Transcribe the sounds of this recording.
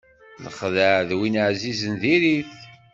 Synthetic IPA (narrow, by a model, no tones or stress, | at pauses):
nə̰χðəʕðwinəʕzizənðiɾiθ